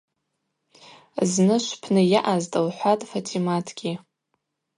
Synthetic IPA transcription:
znɨʃʷpʰnɨjaʔaztʼalħʷatʼfatʰimatʰɡʲi

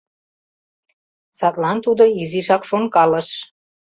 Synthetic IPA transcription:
sɑt̪lɑnt̪ud̪ɤ̆iziʒɑkʃonkɑlə̆ʃ

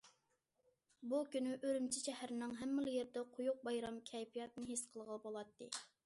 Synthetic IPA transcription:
bukʲynyʔøɾymt͡ʃʰiʃɛhæɾɪnɨŋɦɛmːɪlˠɪjeɾd̪ɛqʰʊjuq̚bɑjɾɑmkʲʰɛjpijɑt̪̚nɨɦesqʰəlˠʁəlˠbolˠɑt̪ːɨ̰

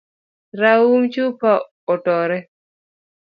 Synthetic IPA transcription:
ɾaumt͡ʃupa | ɔʈɔɾɛ

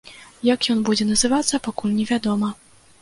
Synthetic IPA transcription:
jɐkjɔnbud͡zʲɛnɐzɨvat̪sːɐpakulʲnʲɛvʲad̪ɔmɐ

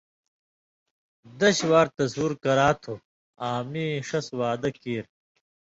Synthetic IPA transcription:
d̪ɐɕwaːɾt̪ɐsuːɾkɐɾaːt̪ʰo | aːmiːʂɐswaːd̪ɐkiːɾ

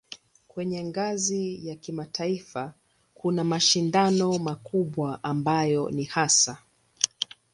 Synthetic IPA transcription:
kwɛɲɛŋɡazijakimatʰaifa | kʰunamaʃindanɔmakuɓwaʔambajɔnihasa

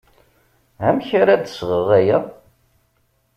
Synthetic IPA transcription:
æmçaɾad̪əsʁəʁæjæ

